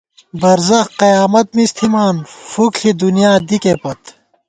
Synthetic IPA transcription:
bɐɾzɐxqɐjaːmɐt̪̚mist̪ʰimaːnfukɬid̪unjaːd̪ikepɐt̪

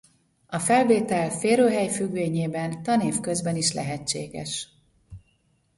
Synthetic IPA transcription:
ɒfɛlveːt̪ɛlfeːɾøːɦɛjfyɡʋeːɲeːbɛnt̪ɒneːfkø̞zbɛniʃlɛ̰ɦɛt͡ʃːḛːɡɛ̰ʃ

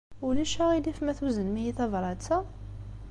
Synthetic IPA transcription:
uliʃæʁilifmæθwzənmijiθævɾˤɑt͡sːæ

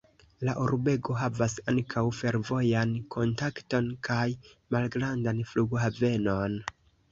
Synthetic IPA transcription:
laʔuɾbe̞ɡo̞ɦavasaŋkʰawfe̞ɾvo̞jankʰo̞ntakto̞nkʰajmalɡɾandanfluɡhave̞no̞n

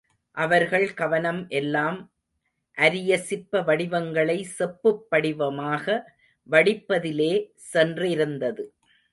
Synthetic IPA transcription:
ʔɐʋɐɾɣɐɭkɐʋɐnɐmʔɛlːaːm | ʔɐɾɪjɐsɪpːɐʋɐɽɪʋɐŋɡɐɭɐɪsɛpːɯpːɐɽɪʋɐmaːɣɐ | ʋɐɽɪpːɐðɪleː | sɛndrɪɾɯnd̪ɐðɯ

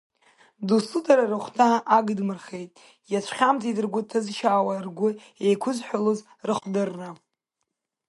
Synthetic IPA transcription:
dusudaɾarɨχʷtʰaʔaɡɨdmɨrχe̞jtʼ | jat͡ʃʷʰχʲamt͡sidɨrɡʷʊtʰɨzʃaːwarɡʷʊ | ejkʷʰʊzħʷᶣaloz | rɨχʷdɨrːa

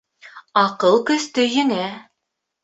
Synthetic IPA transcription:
ɑqɤlˠkɵ̆st̪ɵjɘ̆næ

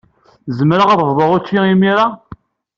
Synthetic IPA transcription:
zəmɾaʁəðˤvðˤəʁʊt͡ʃːiimiɾa

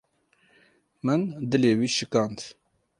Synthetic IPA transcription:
mɨnd̪ɨleːwiːʃɨkɑːnd̪

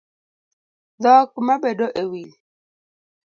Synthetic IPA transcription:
ðɔk̚umabedɔʔewil

